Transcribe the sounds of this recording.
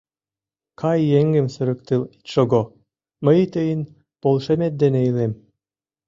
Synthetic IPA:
kʰɑjːeŋɡĕmsə̆ɾə̆kt̪elit̪ʃoɡo | məjt̪əjən | polˠʃemet̪̚d̪enejlem

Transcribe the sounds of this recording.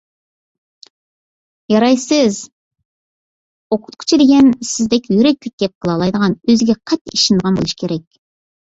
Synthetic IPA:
jɑɾɑjsəz | oqʰʊ̥t̪̚kʲʰy̥t͡ʃʰɪd̪eɡʲensɪzd̪ekʲjyɾek̚ʲlʲɪk̚ʲd̪̥ep̚qʰəlˠɑlˠɑjd̪əʁɑnøzɡʲeqʰɑt̪ːɪiʃɪnd̪əʁɑnbolˠʃɪ̥kʲʰeɾɛk̚ʲ

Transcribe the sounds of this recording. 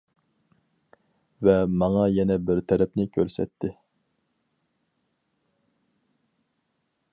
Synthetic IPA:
vɛmɑŋɑjɛnɛbɪɾt̪ʰɛɾɛpnɪkʲʰøɾsɛ̰t̪ʰːɪ

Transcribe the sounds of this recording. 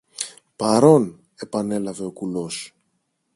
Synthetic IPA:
pɐɾo̞n | e̞pɐne̞lɐve̞o̞kulo̞s

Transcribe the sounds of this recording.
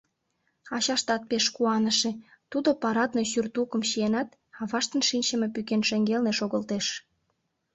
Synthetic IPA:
ɑɕɑʃt̪ɑt̪̚peʃkuɑnəʃe | t̪ud̪opɑɾɑt̪neɕyrt̪ukəmɕienɑt̪ | ɑβɑʃt̪ənʃinʲt͡ɕəmepykenʃeŋɡelneʃoɣə̆lt̪eʃ

